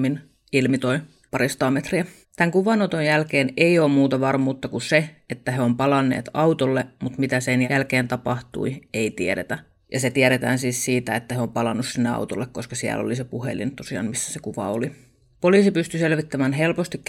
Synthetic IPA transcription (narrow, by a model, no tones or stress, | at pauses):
in | ilmit̪oi | pɑɾist̪ɑːmet̪riæ | t̪æŋkuʋɑnot̪ojælkeːneioːmmuːt̪ɑʋɑrmuːt̪ːɑkuseet̪ːæheompɑlɑnːḛːt̪ɑut̪olːemut̪mit̪æsenælkeːnt̪ɑpɑht̪ṵieit̪ieɾḛt̪æ | jɑ̰set̪iæɾet̪æ̰ːnsiːssiːt̪æet̪ːæheompɑlɑnːussinːeɑ̰wt̪olːekkoskɑsiæ̰lo̰lisepuhḛlḭnt̪osiɑ̰ːnmisːæ̥sekuʋɑ̰oli | poliːsipyst̪yselʋit̪ːæmænɦelpost̪ikk